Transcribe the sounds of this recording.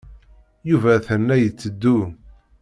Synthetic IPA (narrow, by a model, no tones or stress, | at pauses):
juvæθənːæjət͡sːəd̪ːu